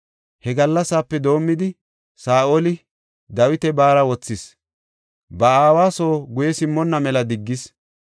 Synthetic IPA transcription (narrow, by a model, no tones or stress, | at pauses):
hɛɡɐlːɐsaːpːɛd̪o̞ːmːɪd̪ɪ | saːʔolɪ | d̪ɐwɪt̪ɛbaːɾɐwɔt͡sːɪs | bɐaːwaːso̞ːɡʊjɛsɪmːɔnːɐmɛlɐd̪ɪɡːɪs